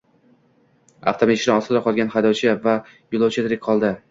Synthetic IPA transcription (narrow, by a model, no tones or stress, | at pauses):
a̰ft̪ʰomiʃɾɪɒsɪd̪aqʰɒlˠɡʲanχajd̪ɒwt͡ʃʰɪva | jʊlˠɑwt͡ʃʰɪd̪ʰɪɾɪk̚ʲqʰɒlˠd̪ɪ